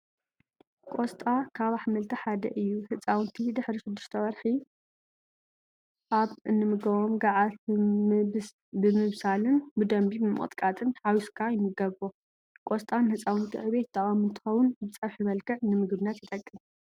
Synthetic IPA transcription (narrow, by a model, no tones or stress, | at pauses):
kʼost̪ʼakʰaβaħmɐlt̪ʰiħad̪ɐ̰ʔɨjːuhɨt͡sʼawʊnt̪ʰid̪ɨħɾiʃɨd̪ːuʃt̪ʰɐβɐɾħi | ʔaβɨnːɨmɨɡɐβomɡaʕat̪ | bɨmɨβsalɨnbɨd̪ɐmbibɨmɨʔʼɨ̰t̪ʼkʼat̪ʼɨnhawiskʰajɪmɨɡɐβo | kʼost̪ʼanɨhɨt͡sʼawɨnt̪ʰḭʕɨβe̞t̪̚d̪aχʼamɨnt̪ʰɨ̥xɐwʊnbɨt͡sʼɐɾħjɪβɐlkʰɨʕɨnɨmɨɡbɨnat̪jɪt̪ʼɐkʼːɨn